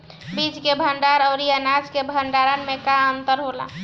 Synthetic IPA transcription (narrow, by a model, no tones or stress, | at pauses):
bit͡ʃkebʱəɳɖaɾəʊɾianaskebʱəɳɖaɾənmekaənt̪əɾɦola̰